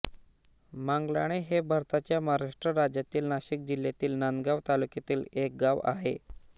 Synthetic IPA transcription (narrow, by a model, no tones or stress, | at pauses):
maŋɡla̰ɽ̃eɦebʱaɾt̪at͡ɕjamaɾaʂʈɾəɾad͡ʑjat̪iːlnaɕik̚d͡ʑiljat̪iːlnanɡaʋt̪alukjat̪iːlek̚ɡaʋa̰ɦe